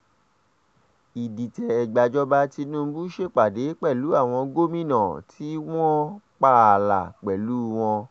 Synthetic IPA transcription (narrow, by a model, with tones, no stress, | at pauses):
i˨di˨tɛ˨ɛ˨ɡ͡ba˨d͡ʒɔ˦ba˦ti˧nũ˦˧˦bu˦ʃe˦k͡pa˨de˨˦k͡pɛ˦˨lu˨˦a˦˨w̃ɔ̃˧ɡo˦mĩ˦˨nã˨tʰi˨˦w̃ɔ̃˦k͡pa˦˨la̰˨k͡pɛ˨lu˦w̃ɔ̃˧